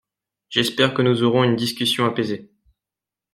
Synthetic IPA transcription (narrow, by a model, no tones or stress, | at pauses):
ʒ̥ɛspɛʁkənuzɔʁɔ̃ynd̪iskʲysjɔ̃apeze